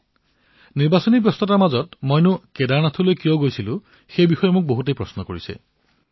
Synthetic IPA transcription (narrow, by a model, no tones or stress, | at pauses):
niɾbasɔnibjɔst̪ʰɔtamad͡ʒɔtmojnukedanat̪ʰuloekioɡojsʰilu | xebixɔjemuk̚boɦutejpɾɔsnɔkɔɹisḛ